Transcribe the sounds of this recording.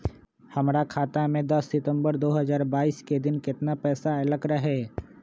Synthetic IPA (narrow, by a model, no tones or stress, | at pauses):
hɐmɾakʰaːt̪amẽd̪ɐsːɪt̪ə̃mbəɾd̪oːɦəzaːɾbaːiːsked̪ɪnkɪt̪napɛːsaɐləkɾəɦɛː